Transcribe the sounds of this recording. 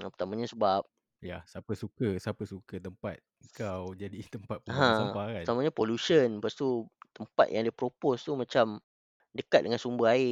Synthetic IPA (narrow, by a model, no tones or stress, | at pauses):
ãpərt̪amãɲasəbap̚ | jasapəsukəsapəsukət̪əmpat̪̚əŋkawd͡ʒadit̪əmpat̪̚pəɦãəmpaɾaət̪amãɲapolusənpast̪ut̪əmpa̰t̪̚jaŋdiəpɾopost̪umãt͡ʃam | dəkat̪̚dəŋansumbəaɪ